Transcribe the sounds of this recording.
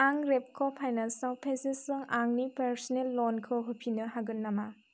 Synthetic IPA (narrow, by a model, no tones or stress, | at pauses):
aŋɾep̚kʰɔpʰajnasawpʰesesɯŋaŋnipeɾsɔnelːɔnkʰɯɦɯpʰinɯɦaɡɯnːama